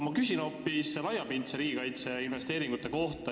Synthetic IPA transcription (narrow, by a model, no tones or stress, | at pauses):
mɑkysʲino̞ppːislɑjːɑpint̪seɾiːɡikɑjt̪se̞inve̞st̪e̞ːɾiŋɡ̥ut̪ˑːe̞ko̞ht̪ɑ